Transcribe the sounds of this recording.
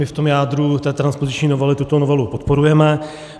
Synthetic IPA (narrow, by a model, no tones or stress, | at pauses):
ɪft̪o̞mjaːd̪ɾut̪ɛːt̪ɾanspozɪt͡ʃɲiːnovɛlɪt̪ut̪onovɛlupot̪po̞ɾujɛmɛ